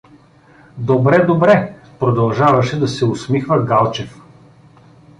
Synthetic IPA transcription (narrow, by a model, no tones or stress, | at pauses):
d̪obɾɛd̪obɾɛ | pɾod̪ɐlˠʒavɐʃɛd̪ɐsɛʊsmixvəɡalˠt͡ʃɛf